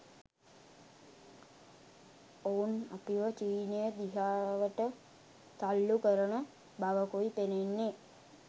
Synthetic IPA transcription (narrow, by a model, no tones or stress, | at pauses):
ouna̰piʋət͡ʃiːnəjəd̪iɦaːʋəʈə | t̪alːukəɾəɳə | baʋəkuipenenːe